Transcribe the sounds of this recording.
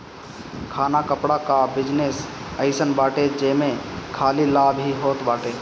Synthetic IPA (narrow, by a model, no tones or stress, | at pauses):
kʰaːnakəpɽakabɪd͡ʒnesəɪsənbaːʈed͡ʒəmẽkʰaːlilaːbɦiɦot̪baːʈe